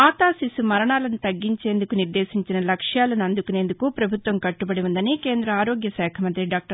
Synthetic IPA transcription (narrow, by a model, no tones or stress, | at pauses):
aːt̪aːsisumɐɾɐɳaːlɐnut̪ɐɡːiɲt͡ʃe̞ːnd̪ukuniɾd̪e̞ːsiɲt͡ʃinɐlɐkʂjaːlɐnɐnd̪ukune̞ːnd̪ukupɾɐbʱut̪ʋɐmkɐʈːubɐɽiʋund̪ɐnike̞ːnd̪ɾɐaːɾoːɡjɐsɛːkʰɐmɐnt̪ɾiɖaːk̚ʈɐ